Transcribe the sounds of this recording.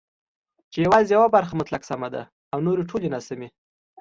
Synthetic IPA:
t͡ʃejawɑzijawabaɾxamʊt̪laksamad̪a̰ | awnoɾeʈʰolenasame

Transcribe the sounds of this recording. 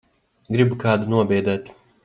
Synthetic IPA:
ɡɾibkaːd̪ɨnuɔbeːd̪at̪ʲ

